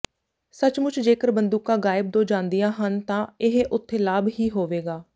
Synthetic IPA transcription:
sət͡ʃmʊt͡ʃʰd͡ʒeːkəɾbənd̪uːkãːɡaːɪb̚d̪õːd͡ʒãːnd̪ijãːɦənt̪ãːɪɦʔʊt̪ʰːeːlaːbɦiːɦoːʋeːɡaː

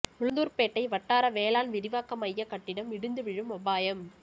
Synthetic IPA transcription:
ʊɻɯnd̪uːɾpeːʈːɐɪʋɐʈːaːɾɐʋeːlaːnʋɪɾɪʋaːkɐmɐjːɐkɐʈːɪɽɐmɪɽɯnd̪ɯʋɪɻɯmɔbaːjɐm

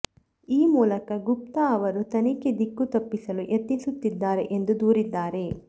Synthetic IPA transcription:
iːmuːlɐkɐɡup̚t̪ɐɐʋɐɾut̪ɐniked̪ikːut̪ɐpːisɐluʔet̪ːinsut̪ːid̪ːaːɾe̞̰ʔend̪ud̪uːɾid̪ːaːɾe̞

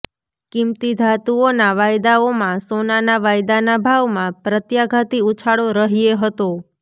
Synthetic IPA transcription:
kimt̪id̪ʱat̪uonaʋajd̪aomãsonanaʋajd̪anabʱaʋmãpɾət̪jaɡʱat̪iut͡ʃʰaɽoɾəɦieɦət̪o

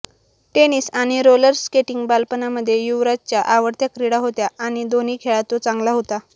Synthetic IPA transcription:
ʈeniːsaɽ̃iɾoləɾskeʈiŋɡbalpənaməd̪ʱːjejuʋɾat͡ɕjaʔaʋəɾt̪jakɾiɽaɦot̪jaaɽ̃id̪oniːkʰeɭat̪ot͡sãŋɡlaɦot̪a

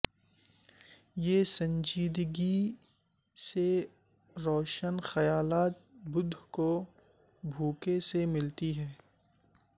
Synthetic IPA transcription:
jeːsɐ̃ɲd͡ʒiːd̪ɡi | se | ɾoːʃənxɐjaːlaːt̪̚bʊd̪ʱko | bʱuːkesemɪlt̪iɦɛː

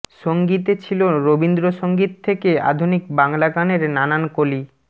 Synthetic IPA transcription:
ʃoŋɡit̪et͡ɕʰiloɾobind̪ɾoʃoŋɡit̪ʰːekea̰d̪ʱunik̚baŋlaɡaneɾnanankoli

